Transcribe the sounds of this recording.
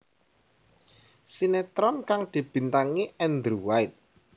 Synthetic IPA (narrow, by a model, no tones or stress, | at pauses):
sinet̪ɾɔnkaŋd̪̥i̤b̥i̤nt̪aŋiɛnd̪ɾuwajt̪̚